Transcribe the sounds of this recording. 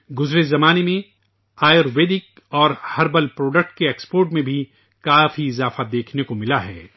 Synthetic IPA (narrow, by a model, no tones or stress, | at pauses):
ɡʊzɾezɐmaːnemẽ | aːjəɾʋeːɖ̪ɪk | ɔːɾhɐɾbəlpɾoːɖək̚ʈ̚keeːkspoːɾʈmẽbʱi | kaːfiɪzaːfad̪eːkʰnekomɪlaɦɛː